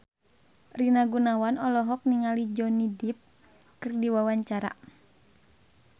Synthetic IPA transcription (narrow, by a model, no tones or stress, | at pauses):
rinaɡunawanɔlɔɦɔk̚niŋalid͡ʒɔnidip̚ | kɨrdiwawaɲt͡ʃaɾa̰